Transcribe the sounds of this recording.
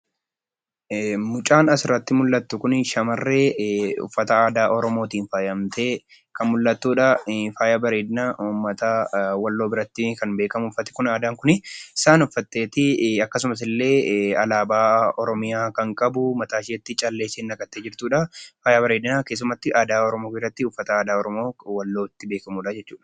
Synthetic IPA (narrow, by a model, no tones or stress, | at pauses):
mʊt͡ʃʼaːnɐsɪɾːɐt̪ːɪmʊlːɐt̪ːʊkʊnɪʃɐmɐrːe̞ːʊ̰fːɐt̪ɐaːd̪aːʔɔɾɔmo̞ːt̪iːnfaːjɐmt̪ʰeː | kɐnmʊlːɐt̪ːuːᶑɐfaːjabɐɾe̞ːd̪ɪnaːumːɐt̪ɐwɐlːo̞ːbɪɾɐt̪ːɪkɐnbe̞ːkɐmʊfːɐt̪ɪ̥kʊnaːd̪aːŋkʊnɪɪsaːnʊfːɐt̪ːeːt̪ɪɐkːɐs̬ʊmɐs̬ɪlːe̞ːɐ̰laːbaːɔɾɔmɪjaːkɐŋkʼɐbʊmɐt̪aːʃɪɛt̪ːɪt͡ʃʼɐlːe̞ːseːnːɐkʼɐt̪ːe̞ːd͡ʒɪɾt̪uːᶑɐfaːjaːbɐɾe̞ːd̪ɪnaːke̞ːs̬ːʊmɐt̪ːɪʔaːd̪aːɔɾɔmo̞ːɪrɐt̪ːɪʊfːɐt̪ɐaːd̪aːɔɾɔmo̞ːwɐlːoːɪt̪ːɪbe̞ːkɐmulaːd͡ʒɛt͡ʃːuːᶑɐ̥